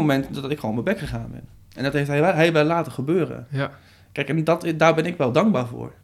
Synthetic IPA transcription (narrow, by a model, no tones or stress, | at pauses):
momɛntdɔtɪkχonmɛbɛkχəχaːnbɪ̰n | ɛndɔtɦejftɦɛɛɦɛjʋɛlaːtəχəbøːɾə̰ | kɛjkɛndɔtdaːɹbɛnɪkʋɛlˠdɑŋɡ̚baːɹvʊ̰ːɹ